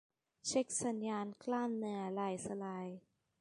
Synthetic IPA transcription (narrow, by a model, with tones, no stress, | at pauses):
t͡ɕʰe˦˥k̚sa˨˦njaː˧nkʰlaː˥˩mnɯ˧˩ɐla˧˩jsa˧la˧˩j